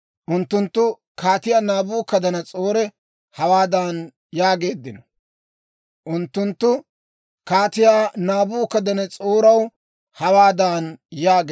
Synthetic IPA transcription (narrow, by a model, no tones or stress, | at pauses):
ʔʊnt̪ːʊnt̪ːʊ | kaːt̪ɪjaːnaːbuːkɐd̪ɐnɐt͡sʼoːɾɛ | hɐwaːd̪aːn | jaːɡe̞ːd̪ːɪnɔ | ʔʊnt̪ːʊnt̪ːʊ | kaːt̪ɪjaːnaːbuːkɐd̪ɐnɛt͡sʼoːɾɐw | hɐwaːd̪aːnjaːɡe